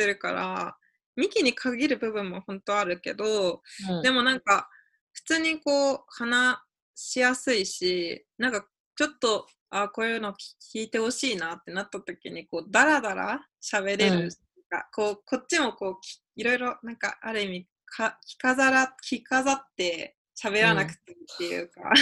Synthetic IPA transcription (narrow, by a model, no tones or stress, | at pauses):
t̪e̞ɾɯ̟ka̰ɾa̰ | mʲikʲiɲ̟ikʰaɡʲiɾɯ̟bɯ̟bɯ̟̃mːohõ̞nt̪o̞aɾɯ̟ke̞̰d̪o̞d̪e̞mo̞nãŋka | ɸɯ̟̥t͡sɨːɲ̟iko̞ːhana | ɕijasɨiɕinãŋka | t͡ɕo̞t̪ːo̞ | aːko̞ːjɯ̟no̞̥ːkʲʰiːt̪e̞ho̞ɕiːnaːt̪ːe̞nat̪ːat̪o̞kʲḭɲ̟iko̞ːd̪aɾad̪aɾa̰ɕaβe̞ɾe̞ɾɯ̟ | ka̰koːko̞t̚t͡ɕːimo̞ko̞ːkʲ | iɾo̞iɾo̞nãŋka̰ʔaɾɯ̟imʲi | kʰakʲi̥kazaɾakʲʰikazat̪ːe̞ | ɕaβe̞ɾanakɯ̟̥t̪ːait̪ːe̞jɯ̰ːka̰